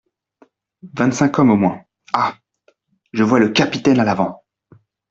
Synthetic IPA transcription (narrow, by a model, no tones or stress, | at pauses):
vɛ̃t̪sɛ̃kɔmomwɛ̃ | a | ʒəvwaləkʲapit̪ɛnalavɑ̃